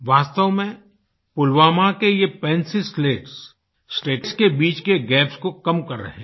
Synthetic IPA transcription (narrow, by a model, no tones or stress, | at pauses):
ʋaːst̪əʋmẽ | pʊlʋaːmakejepɛ̃ːnsisleːʈs | sʈeːʈskebiːt͡ʃkeɡɛːpskokɐmkɐɾːɐ̰ɦẽː